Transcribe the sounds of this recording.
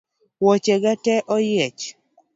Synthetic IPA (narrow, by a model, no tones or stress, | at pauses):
wɔt͡ʃɛɡatɛʔɔjɛt͡ʃ